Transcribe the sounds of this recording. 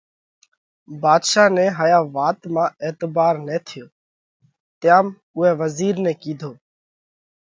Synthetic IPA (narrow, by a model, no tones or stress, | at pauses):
baːd̪ʃaːnɛːɦaːjaːʋaːt̪mãːeːt̪baːɾnɛ̃ːt̪ʰɪjoː | t̪ɪjaːm | ʊɦɛːʋəziːɾnɛ̃ːkiːd̪ʱoː